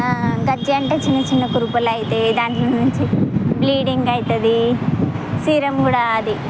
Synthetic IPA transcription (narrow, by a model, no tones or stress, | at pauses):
ɡɐd͡ʒːiɐɳʈeːt͡ʃinːɐt͡ʃinːɐkuɾupɐlɐjit̪eːd̪aːɳʈlɐnuɲt͡ʃibliːɽiŋɡɐjt̪ɐd̪i | siːɾɐmkuːɽaːɐd̪i